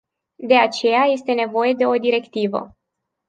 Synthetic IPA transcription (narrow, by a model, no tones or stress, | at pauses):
d̪e̞at͡ʃe̞jaje̞st̪e̞ne̞vo̞je̞d̪e̞o̞d̪iɾe̞kt̪ivə̰